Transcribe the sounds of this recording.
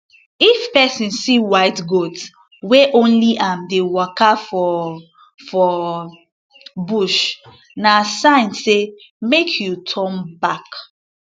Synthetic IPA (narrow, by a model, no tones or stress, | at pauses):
ifpɛsĩnsiwaɪtɡots | weʔõnliʔãmdewɔkafɔ | fɔ | buʃ | nasãɪ̃nse | mekʰjutʰɔ̃nbak